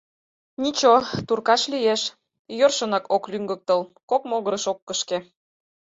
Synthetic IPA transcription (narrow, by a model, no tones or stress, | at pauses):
nʲit͡ɕot̪urkɑʃlijeʃ | jørʃə̆nɑkoklyŋɡə̆k̚t̪ɤlkokmoɣəɾəʃokːəʃke